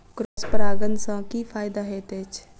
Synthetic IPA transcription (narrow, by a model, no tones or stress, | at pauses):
kɾospəɾaːɡənsãːkiːfʰaːɪd̪aɦeːt̪eːt͡ʃ